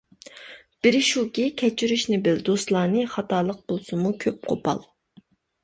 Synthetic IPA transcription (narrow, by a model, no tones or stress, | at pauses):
b̥ɪɾʃukʲikʲʰɛt͡ʃʰiɾyʃnɪbɪld̪ost̪lˠɑːnɨχɑt̪ɑːlˠəq̚bolˠsɨmukʲʰøp̚qʰo̰pʰɑ̰lˠ